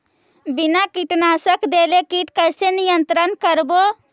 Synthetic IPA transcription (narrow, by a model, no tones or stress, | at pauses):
binakiʈnasəkd̪elekiʈkəsenijənt̪ɾənkəɾbo